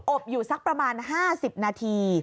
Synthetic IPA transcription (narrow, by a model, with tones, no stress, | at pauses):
ʔo˨˩p̚juː˨˩sa˦˥k̚pɾa˧maː˧nɦaː˥˩si˨˩p̚naː˧t̪ʰiː˧